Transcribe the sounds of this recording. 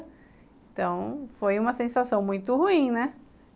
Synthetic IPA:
ẽt̪ɐ̃w̃fojũmɐsẽsasɐ̃w̃mũj̃t̪ʊhuĩnɛ

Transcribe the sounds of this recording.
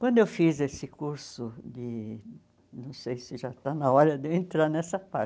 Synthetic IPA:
kwɐ̃nd̪ʊewfizesɪkuɾsʊd̪ɪ | nɐ̃w̃sejsɪʒat̪anɐɔɾɐd̪ewẽnt̪ɾaɾnɛsɐpaɾ

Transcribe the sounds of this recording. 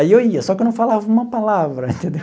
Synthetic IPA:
iewiɐsɔkewnɐ̃w̃falavɐũmɐpalavɾɐẽnt̪ẽnd̪ew

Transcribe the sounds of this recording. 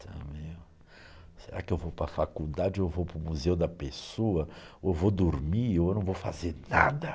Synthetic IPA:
t̪ʰɐ̃mẽ | seɾakɪewvowpɾɐfakud̪ad͡ʒɪoewvowpɾʊmuzewʊd̪ɐpesoɐewvod̪uɾmiewnɐ̃w̃vowfa̰zeɾna̰d̪ɐ

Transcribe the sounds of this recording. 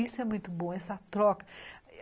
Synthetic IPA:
isʊɛmũj̃t̪ʊbõɛsɐt̪ɾɔkɐ̥

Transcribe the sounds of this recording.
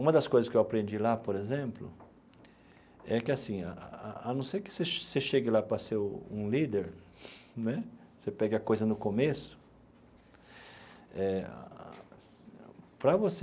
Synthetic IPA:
ũmɐd̪ɐskojzɐskɪewapɾẽnd͡ʒilapoɾezẽmplʊ̰ | ɛkɪasĩa̰a̰anɐ̃sejkɪ̥seʃseʃeɡɪlapɾɐseɾṵ̃lid̪eɾ | nɛ | sepɛɡɪɐkojzɐnʊkomesʊ̥ | ɛ̰ | pɾɐvos

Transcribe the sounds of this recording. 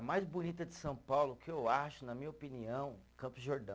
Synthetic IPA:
majzbunit̪ɐd͡ʒɪsɐ̃w̃pawlʊkɪewaʃʊnɐmĩɲɐopiniɐ̃w̃kɐ̃mpʊzʒoɾd̪ɐ̃

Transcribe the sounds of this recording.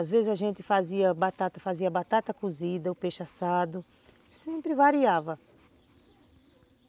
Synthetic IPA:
azvezɪzaʒẽnt̪ɪfaziɐbat̪at̪ɐfaziɐbat̪at̪ɐkuzid̪ɐʊpeʃasad̪ʊ | sẽmpɾɪvaɾiavɐ

